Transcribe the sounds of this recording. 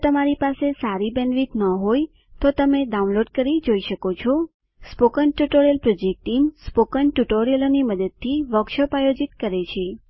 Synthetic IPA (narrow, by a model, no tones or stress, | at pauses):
t̪əmaɾipasesaɾibɛnʋit̪nəɦoj | t̪ot̪əmeɖaũnloɖkəɾid͡ʒoiʃəkot͡ʃʰɔ | spokəɳʈuʈoɾijəlpɾod͡ʒek̚ʈimspokəɳʈuʈoɾijəloniməd̪əd̪̚t̪ʰːiʋəkʃəpajod͡ʒit̪kəɾet͡ʃʰe